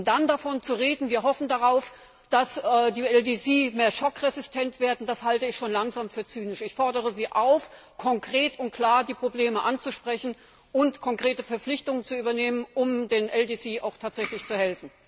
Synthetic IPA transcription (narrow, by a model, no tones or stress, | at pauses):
ʊmd̥andafɔnt͡suʁeːdn̩viːɐɦɔfn̩daʁaʊf | d̥asɛːdiːɛldiːsiːmeːɐʃɔkʁɛzɪstʰɛntv̥eːɐdn̩d̥ashaltəɪçʃoːnlaŋzaːmfyːɐt͡syːnɪʃɪçfɔɐdəʁ̞əziːʔaʊf | kʰɔŋkʁ̥eːtʊnt̚kʰl̥aːɐdiːpʁ̥obleːməʔant͡suʃpʁ̥ɛçn̩ | ʔʊntkʰɔŋkʁ̥eːtəfɛɐp͡flɪçtʊŋənt͡suʔyːbɐneːmənʔʊmdeːnʔɛldiːsiːʔa̰ʊxtʰaːtz̥ɛçlɪçt͡suhɛlfn̩